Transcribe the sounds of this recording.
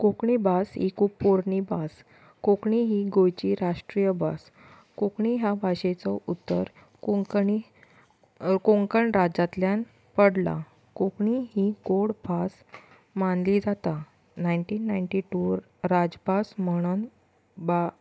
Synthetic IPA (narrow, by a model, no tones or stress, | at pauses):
kokɳibasɦḭkʰuːpːoɾnibas | kokɳiɦiɡojt͡ɕiːɾaʂʈɾijəbas | kokɳiɦjabʱaɕet͡sɔʔut̪ːə̰ɾ | i | koŋkəɳɾad͡zat̪ljan | pəɽla̰ | kokɳiɦiɡoɽbʱas | manliːd͡zat̪a | najɳʈiːnːajɳʈiʈu | ɾad͡zbasməɽ̃ən | ba